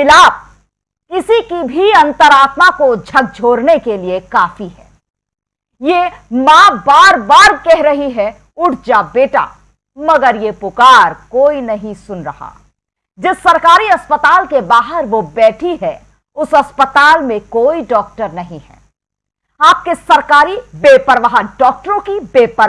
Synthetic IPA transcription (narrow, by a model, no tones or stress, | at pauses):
ɪlaːp̚ | kɪsikibʱiɐ̃nt̪əɾaːt̪makod͡ʒʱɐk̚d͡ʒʱoːɾnekeliekaːfiɦɛː | jemãːbaːɾbaːɾkɛɦɾɐɦiɦɛ | ʊɽʰd͡ʒabeːʈa̰ | mɐɡəɾjepʊkaːɾkoːinɐɦĩsʊnɾɐha̰ | d͡ʒɪsːɐɾkaːɾiɐspət̪aːlkebaːɦəɾʋobɛːʈʰiɦɛ | ʊsɐspət̪aːlmẽkoːiɖɔːk̚ʈəɾnɐɦĩɦɛ̰ | aːp̚kesɐɾkaːɾibeːpəɾʋaːɦɖɔːk̚ʈəɾõkibeːpə